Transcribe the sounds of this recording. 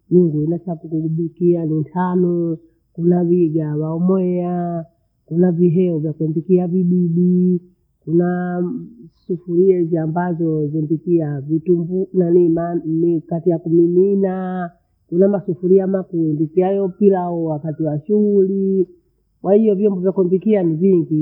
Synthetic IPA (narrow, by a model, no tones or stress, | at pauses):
niŋɡuinasakukuɡuɓukianintʰanɔ | kunaβiɡawaɔmɔɛa | kunaviɦɛɔvjakwɛmbikiaviɓiɗi | kuna | sufuɾiɛziambazɔzimbikiavitumbunaninikatijakuminina | kunamasufuɾiamakuimbikiajɔpilaɔwakatiwaʃuɣuli | kwahijɔvjɔmbɔvjakɛmbikianiviŋɡi